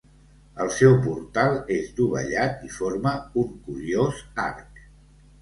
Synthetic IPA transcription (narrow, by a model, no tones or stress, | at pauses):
əlˠsɛwpuɾt̪alˠezd̪uβə̰ʎat̪ifoɾməuŋkuɾioza̰rk